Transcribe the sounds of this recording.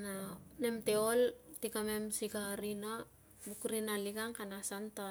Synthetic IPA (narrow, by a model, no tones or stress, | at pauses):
nanemteoltikamemsiɡaɾina | bukɾinaliɡaŋkanasanta